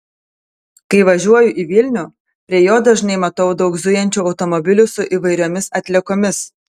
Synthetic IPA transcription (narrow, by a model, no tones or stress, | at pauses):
kɐɪʋɐʒʲuɔjʊʔiʋʲɪlʲnʲuː | pʲɾʲiɛjoːd̪ɐʒnɐɪmɐt̪ɐʊd̪ɒʊɡzʊjɛnʲt͡ʃʲuːɒʊt̪ɔmɔbʲɪlʲʊsʊʔiːʋɐɪɾʲoːmʲɪsɐt̪ʲlʲɛkoːmʲɪs